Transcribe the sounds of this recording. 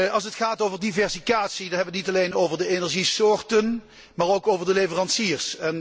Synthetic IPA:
ɑlˠs̬ətχaːtowvəɹdivɛɹsikaːtsidɑnɦɛbəʋətnitɑlejnowvəɹdəenɛɹʒisʊːɹtən | maːɹowkowvəɹdəlejvərɑnsiːəɹsɛn

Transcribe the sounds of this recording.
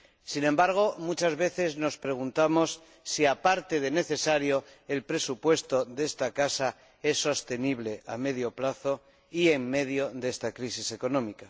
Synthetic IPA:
sinẽ̞mbaɾɣ̞o̞mut͡ʃazβe̞θe̞zno̞spɾe̞ɣ̞unt̪amo̞sː | iapaɾt̪e̞ðe̞ne̞θe̞saɾjo̞e̞lpɾe̞supwe̞st̪o̞ðe̞st̪akasa | e̞sːo̞st̪e̞niβ̞le̞ʔame̞ðjo̞plaθo̞ | ie̞ŋme̞ðjo̞ðe̞st̪akɾisise̞ko̞nõ̞mika

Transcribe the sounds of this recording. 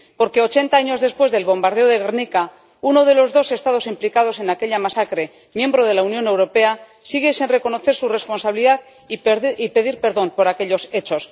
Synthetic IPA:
po̞ɾke̞o̞t͡ʃe̞nt̪aaɲo̞zðe̞spwe̞zðelβo̞mbaɾðe̞o̞ðe̞ɣ̞eɾnika | uno̞ð̞e̞lo̞zðose̞st̪að̞o̞simplikaðo̞se̞nake̞ʎamasakɾe̞ | mjẽ̞mbɾo̞ð̞e̞launjo̞ne̞wɾo̞pe̞a | siɣ̞e̞sinre̞ko̞no̞θe̞ɾsure̞spo̞nsaβliðað | ipe̞ðiɾpe̞ɾðo̞mpo̞ɾakeʎo̞se̞t͡ʃo̞s

